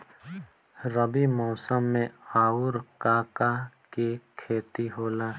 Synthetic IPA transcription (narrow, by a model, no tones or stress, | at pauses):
ɾəbimɔːsəmːẽaːʊɾkaːkakekʰeːt̪iɦoːlaː